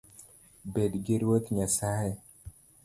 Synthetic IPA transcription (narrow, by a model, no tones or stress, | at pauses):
bedɡɪɾwot̪ɲasajɛ